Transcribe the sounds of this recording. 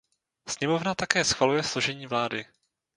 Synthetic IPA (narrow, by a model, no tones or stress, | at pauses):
sɲɛmo̞vnat̪akɛːsxvalujɛslo̞ʒɛɲiːvlaːdɪ